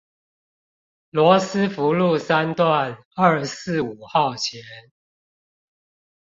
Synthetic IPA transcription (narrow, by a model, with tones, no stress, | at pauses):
lwɔ˧˦s̩˦fu˨˦lu˥˨sa˦nt̪wa˥˨n | ə˞˥˧sɹ̩˥˨u˨˩xɑ˥˨˩ʊt͡ɕʰjɛ˨˦n